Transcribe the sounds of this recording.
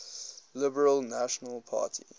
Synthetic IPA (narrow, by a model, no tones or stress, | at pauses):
lɪbəɹəlˠnaʃənəlˠpʰa̰ːˑtʰi